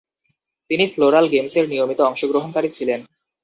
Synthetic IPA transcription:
t̪inifloɾalɡemseɾnijomit̪oɔŋʃoɡɾoɦonkaɾit͡ɕʰilen

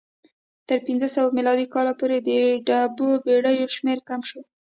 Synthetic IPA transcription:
t̪əɾpinzəsawamilɑd̪ikɑlapoɾed̪əɖɑbobeɽəjoʃmeɾkamʃo

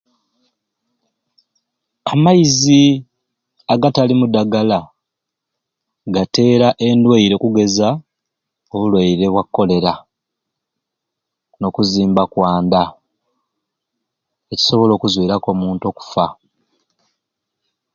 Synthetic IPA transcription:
amajizi | aɡatalimudaɡala | ɡate̞ːɾaʔe̞ndwaiɾe̞kuɡe̞za | oβulwaiɾe̞βwakːo̞le̞ɾa | no̞kuziːmbakwaːnda | e̞ci̥so̞βo̞lo̞ːkuzwiːɾako̞muːnto̞ku̥fa

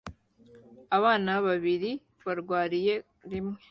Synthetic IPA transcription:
aβaːnaβaβiɾi | βaɾɡwaːɾije̞ | ɾimŋe

